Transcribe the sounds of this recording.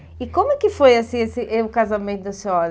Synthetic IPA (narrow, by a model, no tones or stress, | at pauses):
ɪkõmʊɛkɪfojasĩesɪʔʊkazamẽnt̪ʊd̪ɐseɔɾ